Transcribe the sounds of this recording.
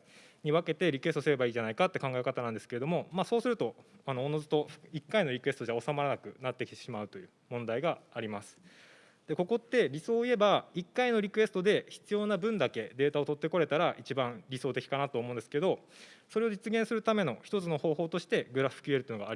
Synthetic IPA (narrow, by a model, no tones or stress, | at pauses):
ɲ̟iβ̞ake̞t̪e̞ɾʲikɯ̟es̬t̪sɨɾe̞baiːʑanaikat̪ːe̞kãŋɡaekat̪anãnd̪e̞sɨ̥keɾe̞d̪o̞mo̞maːso̞ːsɨɾɯ̟t̪o̞ano̞ːno̞zɨt̪o̞̥ikːaino̞ɾʲikɯe̞sɨ̥t̪o̞ʑaosamaɾanakɯ̟nat̪ːe̞kʲi̥t̪eɕimaɯ̟t̪o̞jɯ̟ːmõ̞nd̪aiɡaːɾʲimasɨ̥ | d̪̥e̞ko̞ko̞t̪ːe̞ɾʲiso̞ːie̞baikːaino̞ɾʲikɯ̟e̞sɨ̥t̪o̞d̪e̞çi̥t͡sɨjo̞ːnabɯ̟̃nd̪ake̞d̪e̞ːt̪ao̞t̪o̞t̪ːe̞ko̞ɾe̞t̪aɾaʔit͡ɕibãɰɾʲiso̞ːt̪e̞kʲi̥kanat̪oːmo̞ɯ̃nd̪eskeɾed̪o̞so̞ɾe̞o̞d͡ʑit͡sɨɡẽsɨɾɯ̟t̪ame̞no̞çi̥t̪o̞t͡sɨno̞ho̞ːho̞ːt̪o̞ɕi̥t̪e̞ɡɯ̟ɾaɸɯ̟ɸɯ̥kʲieɾ̟t̪oinɡaːɾi